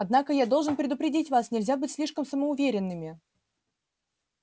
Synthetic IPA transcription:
ɐd̪nakəjad̪olˠʐɨnpɾʲɪd̪ʊpɾʲɪdʲitʲvasnʲɪlʲzʲabɨtʲsʲlʲiʂkəmsəməʊvʲeɾʲɪnːɨmʲɪ

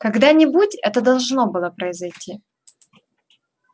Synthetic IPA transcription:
kɐɡd̪anʲɪbutʲɛt̪əd̪ɐlˠʐno̞bɨlˠəpɾəɪzɐjtʲʰi

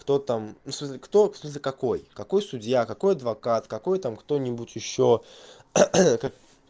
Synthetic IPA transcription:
kt̪o̞t̪amusmɨs̬ʲlʲɪkt̪o̞smɨs̬ʲlʲɪkɐko̞jkɐko̞jsʊdʲjakɐko̞jɐd̪vɐkat̪kɐko̞jt̪amkt̪o̞nʲɪbʊtʲɪɕːo | kak

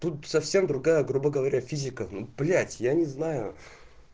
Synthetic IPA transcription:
t̪ut̪sɐfsʲe̞md̪ɾʊɡajəɡɾubəɡəvɐɾʲafʲizʲɪkənuplʲætʲjanʲɪznajʊ̰

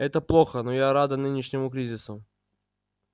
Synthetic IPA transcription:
ɛt̪əplˠoxənojaɾad̪ɐnɨnʲɪʂnʲɪmʊkɾʲizʲɪsʊ

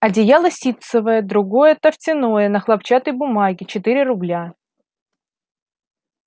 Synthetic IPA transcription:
ɐdʲɪjalˠɐsʲit̪səvəjəd̪ɾʊɡo̞jət̪əftʲɪno̞jənəxlˠɐp̚t͡ɕat̪əjbʊmaɡʲɪt͡ɕɪt̪iɾʲɪɾʊblʲa

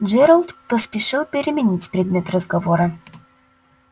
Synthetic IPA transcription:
ʐɛɾəlˠt̪pəspʲɪʂɨlˠpʲɪɾʲɪmʲɪnʲitʲpɾʲɪd̪mʲe̞t̪rəzɡɐvoɾə

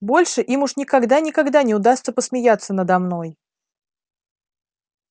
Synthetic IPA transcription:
bo̞lʲʂɨʔimʊʂnʲɪkɐɡd̪anʲɪkɐɡd̪anʲɪʊd̪ast̪səpəsmʲɪjat̪sːənəd̪ɐmno̞j

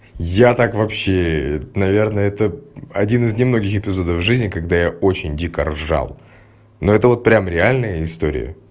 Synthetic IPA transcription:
jat̪akvɐpɕːenɐvʲe̞rnəɛt̪əɐdʲinɨznʲɪmno̞ɡʲɪxɪpʲɪzo̞d̪əvʐɨzʲnʲɪkɐɡ̚d̪ajao̞t͡ɕɪnʲdʲikə̰rʐa̰lˠ | no̞ɛt̪əvo̞t̪̚pɾʲamɾʲɪalʲnɨjəɪst̪oɾʲɪ̰jə̰

